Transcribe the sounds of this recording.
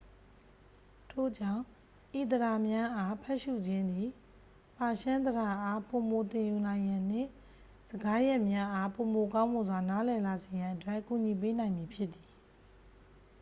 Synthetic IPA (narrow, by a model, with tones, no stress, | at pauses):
tʰo̰˦˨d͡ʑã˦˨ | ʔi˨t̪̬əɾa˨mjã˦ʔa˦pʰɛ˦ʔʃṵ˦˨d͡ʑɪ̃˦nd̪i˨ | pa˨ʃã˦nd̪əɾa˨ʔa˦po˨mo˨t̪ɪ̃˨ju˨nã˨ɪ̃jã˨n̥ɪ̰̃˦˨ | z̥əɡa˦jɛ˦ʔmja˦ʔa˦po˨mo˨kã˦ʊ̃mo˨zwa˨na˨˦lɛ˨la˨ze˨jã˨ʔətwɛ˦ʔku˨ɲi˨p̬e˦nã˨ɪ̃mji˨pʰjɪ˦t̪ːi˨